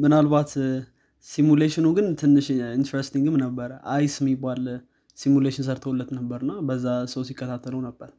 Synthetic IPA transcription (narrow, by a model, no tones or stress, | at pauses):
mɨnalbat̪ | simuleʃɪnuɡɨnt̪ʰɨnːɨʃint̪ɾest̪iŋɡɨmnəbːəɾəʔajsɨmibal | simuleʃɪns̬əɾt̪ʰəwolːət̪nəbːəɾɨnːabəzːasəwsikʼːət̪ʰat̪ʰːələwnəbːəɾ